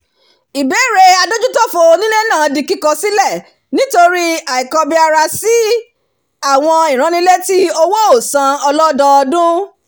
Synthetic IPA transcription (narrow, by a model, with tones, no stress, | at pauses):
i˨be˨˦˨ɾe˧a˧do˦d͡ʒu˦tɔ˦fo˧o˧nĩ˦ne˦nãː˦˨di˧ki˦kɔ˧si˦lɛ˦˨ | nĩ˨˦to˧ɾi˦a˨i˨kɔ˧bi˧a˧ɾa˧si˨˦ | a˦˨w̃ɔ̃˧i˨ɾ̃ã˨˧nĩ˧le˦ti˦o˧wo˦o˦˨sã˧ɔ˧lɔ˦dɔ˧ɔ˧dũ˦